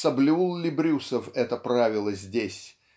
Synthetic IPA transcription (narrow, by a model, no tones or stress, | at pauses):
sɐblʲulˠlʲɪbɾʲusəfɛt̪əpɾavʲɪlˠəzʲdʲesʲ